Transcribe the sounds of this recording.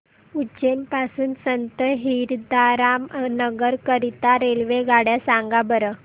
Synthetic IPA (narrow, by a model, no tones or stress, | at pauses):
ut͡ɕenpasuːnsənt̪əɦiɾd̪aɾamnəɡəɾkəɾit̪aɾelʋeɡaɽjasaŋɡabəɾə